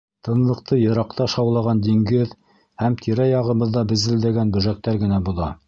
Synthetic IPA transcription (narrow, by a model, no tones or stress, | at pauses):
t̪ɤ̆nlˠɤ̆qt̪ɤjɤ̆ɾɑqt̪ɑʃɑwlˠɑʁɑnd̪iŋɡɘð | hæmt̪ʰiɾæjɑʁɤ̆βɤ̆ðːɑbɘ̆zɘ̆ld̪æɡænbɵ̆ʒæk̚t̪æɾɡɘ̆næbuðɑ